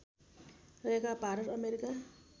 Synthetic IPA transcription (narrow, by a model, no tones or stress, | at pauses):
ekapaɾʌɾʌmeɾika